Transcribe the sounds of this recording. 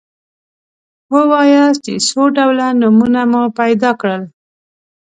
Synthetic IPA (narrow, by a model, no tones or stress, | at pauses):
wəwɑjast͡ʃesoɖawlanumunamupajd̪ɑkɽəl